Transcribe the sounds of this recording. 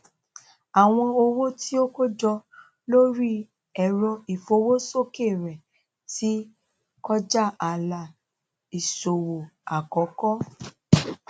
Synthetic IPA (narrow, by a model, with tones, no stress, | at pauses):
a˨w̃ɔ̃˧o˧wo˦ti˦o˦ko˦d͡ʒɔ˧ | lo˦ɾi˦ | ɛ˦˨ɾɔ̃˧i˨fo˧˦wo˦so˦ke˦˨ɾɛ˨ | ti˦ | kɔ˦d͡ʒa˦˨a˨la˨ | i˨so˨wo˨a˨kɔ˨˦kɔ˦